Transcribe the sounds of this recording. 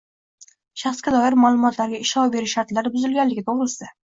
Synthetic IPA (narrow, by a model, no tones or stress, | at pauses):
ʃaχskʲad̪ɒjɪɾmalˠʊmɒt̪ʰlaɾɡʲaɪʃɒwbe̞ɾɪʃːaɾt̪laɾbʊzɪlɡʲanlːɪɡʲɪt̪ʰoʁɾɪsɪ